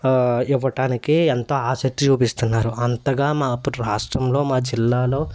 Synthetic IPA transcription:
iʋːɐʈaːnikient̪oːaːsɐk̚ʈːit͡ʃuːpist̪unːaːɾuɐnt̪ɐɡaːmaːpːuɾuɾaːʂʈɾɐmlo̞ːmaːd͡ʒilːaːlo̞ː

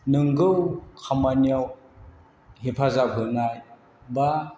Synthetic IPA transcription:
nɯŋɡɯwkʰamaniaw | hepʰazabɦɯnaj | ba

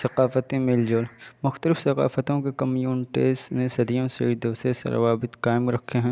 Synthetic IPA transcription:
sɐqaːfət̪ẽmɪld͡ʒoːlmʊxt̪əlɪfsɐqa̰ːfət̪õkekɐmjuːnʈeːsnesɐd̪ijõsḛd̪ɐːsesḛɾɐ̰ʋaːbɪt̪qaːɪmɾɐkʰːeɦɛ̃ː

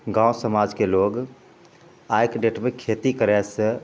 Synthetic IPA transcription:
ɡãːusəmaːd͡ʒkeloːɡ | ajkɖeʈmẽkʰeːt̪ikəɾɛsə

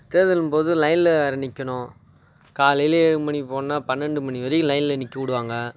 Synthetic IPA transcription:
t̪eːðɐlɯmpoːðɯlɐɪnlɐɐɾɐnɪkʲːɐɳʊ̃ | kaːlɪjleɻɯmɐɳipoːnːaːpɐnːɛɳɖɯmɐɳiʋɐɾɪjɯ̃lɐɪnɪlɐnɪkːɐʋʊɽɯʋaːŋɡɐ

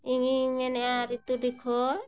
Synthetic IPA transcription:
iŋimeneaɾit̪udikʰɔ

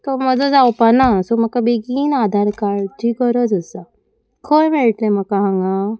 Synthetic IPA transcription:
t̪oməd͡zɔd͡zawpanasoməkabeɡiːnad̪ʱaɾkaɭd͡ʒiɡɔɾɔd͡zəsa | kʰojmeɭʈlem̤əkaɦãŋɡa

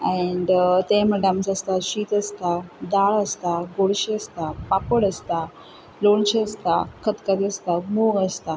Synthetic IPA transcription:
ɛ̃ɳɖt̪emɛɖamsəst̪aɕiːt̪əst̪ad̪aɭəst̪aɡoɽɕiəst̪apapəɽəst̪a | loɳɕiəst̪a̰kʰət̪kad̪iəst̪amuɡəst̪a

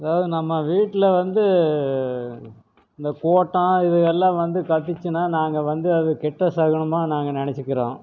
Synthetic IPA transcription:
ɐðaːʋɐðɯnɐmːɐʋiːʈːɪlɐʋɐnd̪ɯ | ɪnd̪ɐkoːʈːãːɪðɯɛlːãːʋɐnd̪ɯkɐt̪ːɯt͡ʃːɯnaːnaːŋɡɐʋɐnd̪ɯɐðɯkɛʈːɐsɐɣɐɳɯmaːnaːŋɡɐnɪɳɐt͡ʃːɯkːɪɾẽː

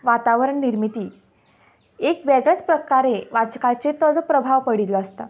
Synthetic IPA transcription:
ʋat̪aʋəɾəɳniɾmit̪iː | ekʋeɡɭet͡spɾəkaɾeʋat͡ɕkat͡set̪ɔd͡zɔpɾəbʱaʋpəɽit̪ləəst̪a

